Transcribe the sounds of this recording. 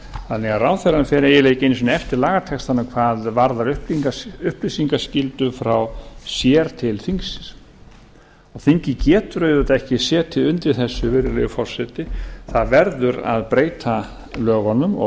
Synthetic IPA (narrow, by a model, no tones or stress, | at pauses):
θanːɛɣaraːwθɛɾanʏfɛːɾɛjɛleːjcejns̬ɔnɛft̪ɪɾlaːɣat̪ʰɛkst̪anːakʰvaːðvaɾðaɾʏhpiŋkaʏhplisiŋkascɪlt̪ʏfɾawsjɛːɾt̪ʰɪlθiŋksɪs | ɔɣθiɲcɪcɛːt̪ʏɾœɥðʏt̪aɛhcɪsɛːt̪ʰɪlʏnt̪ɪɾθɛsːʏveːɾɪlḛjʏfɔr̥sɛt̪ɪθaðvɛɾðʏɾa̰ðpɾeːjt̪ʰa | lœːɣɔnʏmɔ̰